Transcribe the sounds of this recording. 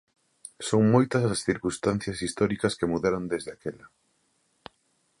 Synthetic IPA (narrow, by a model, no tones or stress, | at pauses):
soŋmojt̪ɐsasθiɾkust̪an̟θjɐsist̪ɔɾikɐskemuðɛɾond̪ezðeakelɐ